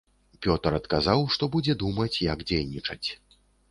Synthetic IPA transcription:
pʲɔt̪ɐɾɐt̪kazawʂt̪ɔbud͡zʲɛd̪umɐt͡sʲjɐɡd͡zʲejnʲit͡ʂɐt͡sʲ

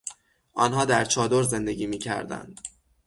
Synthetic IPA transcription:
ʔɒːnɦɒːd̪æɾt͡ʃʰɒːd̪oɾze̞nd̪e̞ɟiːmiːcʰæ̰ɾd̪æ̰nd̪̥

